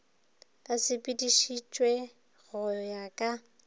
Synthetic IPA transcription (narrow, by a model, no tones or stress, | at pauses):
asɪpʼidiʃit͡ʃʼwe | ɣʊjɔjakʼa